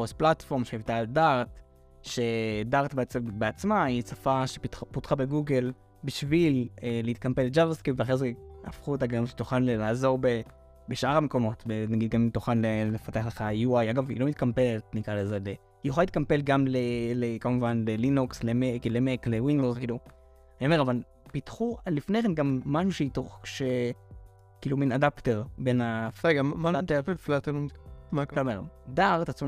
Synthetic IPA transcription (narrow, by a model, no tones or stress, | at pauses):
osplatfo̞ʁmʃeivtaːldaʁt | ʃe̞daʁtbet͡sbeat͡smait͡safaʃe̥putχabe̞ɡuɡe̞l | biʃvileleit̪̚kampeled͡ʒavaskipveaχʁeza̰fχuet̬aɡamʃetuχanlelaːzo̞ʁbe | beʃʔaʁameko̞mo̞tbenaɡid̚ɡamtuχanlelefat̪eaχleχajuajaɡavḭlo̞mit̚kampe̞letnikʁalezele | ijeχʷalit̪̚kampelɡamlelekamuvanlelinukslemekilemekle̞winozkiːlu | anioeʁaval | pitχulifne̞jχenɡamːaʃuʃeitoχʃe | kiːluminadapteʁbe̞naeɡamat̪afeflat̪ennmataomeʁo̰daʁt̪at͡sm